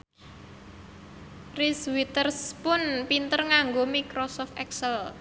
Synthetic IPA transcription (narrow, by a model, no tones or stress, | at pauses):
riswit̪ərspʊnpint̪ərŋaŋɡomikɾɔsɔft̪ɛksəl